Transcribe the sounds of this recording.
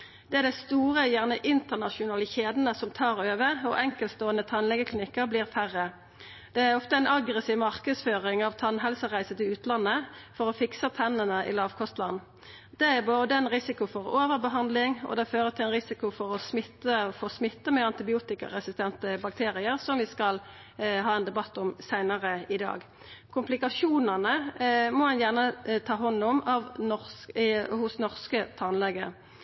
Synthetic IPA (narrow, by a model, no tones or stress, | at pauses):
d̪̥ɛæʁd̪æɪst̪uːʁəjæʁnəʔɪnt̪əʁnɑʃʊnɑːləçeːd̪n̩əsɔmt̪ʰɑːʁøːʋəɔ̰ʔɛŋkəlt̪st̪oːənət̪ʰɑnlɛɡəklɪnɪkːəʁbliːʁfæʁːə | d̪̥ɛæɔft̪əæɪnɑɡʁəsiːʋmɑʁkəd̪sføːʁɪŋɑʋt̪ʰɑnɦɛlsəʁæɪsət̪ɪʉːt̪ʰlɑnːəfɔʁɔfɪksət̪ʰɛnənəʔɪ̰lɑːʋkʰɔst̪lɑn | d̪ɛæʁboːd̪əɛɪnʁɪsɪkʊfɔʁoːʋəʁbəɦɑnd̪lɪŋɔ̰d̪ɛføːʁət̪ʰɪlɛnʁɪsɪkʊfɔʁɔsmɪt̪ːəfoːsmɪt̪ːəmɛɑnt̪ɪbɪuːt̪ɪkɑ̰ʁɛsɪst̪ʰɛnt̪əbɑk̚t̪ʰeːʁɪəʁsɔmʋɪskɑl | ɦɑːɛnd̪ɛbɑt̪ːʊmsæɪnəʁəɪd̪ɑ̰ːɡ | kʰʊmplɪkɑʃuːnənəmɔhɑnjæʁnət̪ʰɑːɦɔnːɔmɑʋnɔ | hʊsnɔʁskət̪ʰɑnlɛɡə